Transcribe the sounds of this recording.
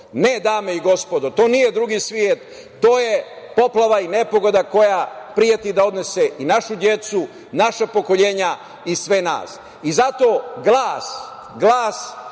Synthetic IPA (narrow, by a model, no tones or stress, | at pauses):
ne̞d̪aːmeiɡo̞spo̞d̪ot̪o̞ːnije̞d̪ɾuɡiːsʋjet̪ː | o̞ːje̞ | po̞plˠaʋaine̞po̞ɡo̞d̪ako̞japɾijat̪id̪ao̞d̪ne̞seʔinaʃud̪je̞t̪su | naʃapo̞ko̞ʎe̞ːɲa | isʋe̞na̰ːs | izat̪o̞ːɡlˠaːs | ɡlˠaːs